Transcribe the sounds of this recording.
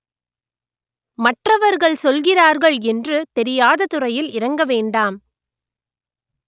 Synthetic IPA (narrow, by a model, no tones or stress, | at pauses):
mɐʈrɐʋɐɾɣɐɭsɔlɣɪraːɾɣɐɭɛndrɯt̪ɛɾɪjaːðɐt̪ʊrɐjɪlɪrɐŋɡɐʋeːɳɖaːm